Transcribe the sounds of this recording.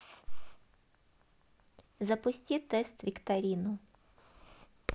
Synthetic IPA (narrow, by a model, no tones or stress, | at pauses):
zɐpʊsʲtʲit̪ɛst̪vʲɪkt̪ɐɾʲinʊ